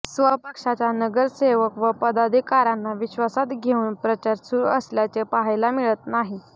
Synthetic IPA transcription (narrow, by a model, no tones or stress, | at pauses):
sʋəɦpəkʂat͡ɕjanəɡəɾseʋəkʋəpəd̪ad̪ʱikaɾanːaʋiɕʋasat̪ɡʱeuːnpɾət͡ɕaɾsuɾuəsljat͡sepaɦjlamiɭət̪naɦi